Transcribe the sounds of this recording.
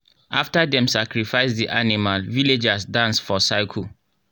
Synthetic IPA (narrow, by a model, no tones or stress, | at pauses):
ʔaftadɛ̃msakɹifaɪsdiʔanimalviled͡ʒasdãnsfɔsaɪkʰu